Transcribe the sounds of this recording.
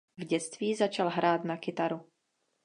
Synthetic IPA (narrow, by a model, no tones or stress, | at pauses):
vɟɛt͡st̪viːzat͡ʃalɦɾaːt̪nakɪt̪aɾu